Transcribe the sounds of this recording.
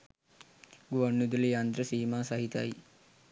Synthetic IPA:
ɡuʋɐɳːud̪ilijand̪ɾəsiːmasaɦit̪a̰i

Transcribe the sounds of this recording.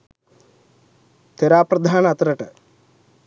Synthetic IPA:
t̪eɾaːpɾɐd̪ʱaːnɐɐt̪ɾɐʈɐ

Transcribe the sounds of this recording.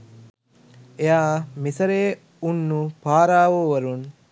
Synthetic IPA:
eaːmisɐɾeː | unːupaːɾaːʋoːʋɐɾun

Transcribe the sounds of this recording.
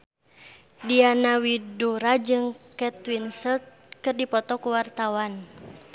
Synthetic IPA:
dianawiduɾad͡ʒɨŋkɛt̪winsət̪̚ | kɨrdipɔt̪ɔkuwart̪awan

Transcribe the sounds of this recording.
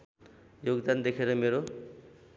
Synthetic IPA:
joɡd̪and̪ekʰeɾʌmeɾo

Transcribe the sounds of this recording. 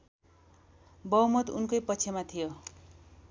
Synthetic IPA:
bʌwmʌt̪unkʌjpʌt͡sʰemat̪ʰijo

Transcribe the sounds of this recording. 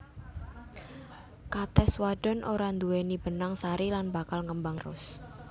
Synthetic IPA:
kat̪ɛswaɖ̥ɔ̤nʔoɾand̪uwenib̥ənaŋsaɾilanbakalŋəmbaŋrʊ̰s

